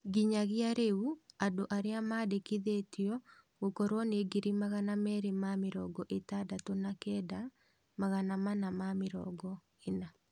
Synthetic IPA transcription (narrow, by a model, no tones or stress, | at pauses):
ɡiɲaɣiaɾeuadoʔaɾeamaːdekiðetiɔ | ɣokɔɾwɔneɡiɾimaɣanamɛːɾemamɪɾɔɡɔʔetadatonakɛːda | maɣanamanamamɪɾɔ̰ɡɔ | ena